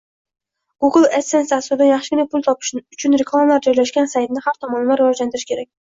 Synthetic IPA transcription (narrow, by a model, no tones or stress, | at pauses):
ɡ̥uɡlˠesensasʊɾd̪anjɑχʃɪɡʲʰɪnapʰʊlˠt̪ʰɒpʰɪ̥ʃʊt͡ʃʰʊnɾekʰlˠamalaɾd͡ʒɒjlaʃɡʲansajt̪nɪhaɾt̪ʰɒmɒnlaɾːɪvɒd͡ʒlant̪ɪɾɪʃʲkʲʰe̞ɾakʲ